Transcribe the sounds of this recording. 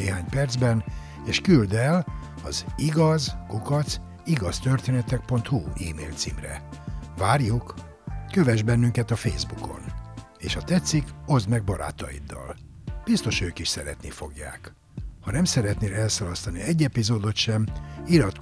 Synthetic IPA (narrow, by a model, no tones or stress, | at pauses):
eːɦaːɲpɛrd̪zbɛn | eːʃkyld̪ɛl | ɒ̰ziɡɒzkukɒt̪s | iɡɒst̪ørt̪eːnɛt̪ɛk̚po̞nt̪huḭːmḛːlt̪sḭːmrɛ̰vaːrjuk | køvɛʒbɛnːyŋkɛt̪ɒfḛːzbuko̞̰n | ḛːʃɒt̪ɛt̪sːiko̞zd̪mɛɡ̚bɒɾa̰ːt̪ɒ̰jḭd̪ːɒ̰l | b̥ist̪o̞ʃøːkiʃsɛɾɛ̰t̪nifo̞ɡja̰ːk | hɒnɛmsɛɾɛt̪neːlɛlsɒlɒst̪ɒniɛɟːɛpizoːd̪o̞t̪ʃɛmilɒt̪k